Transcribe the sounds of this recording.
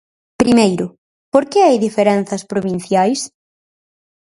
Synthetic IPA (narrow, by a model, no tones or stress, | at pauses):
pɾimejɾʊ | poɾkɪajðifeɾɛn̟θɐspɾoβin̟θjajs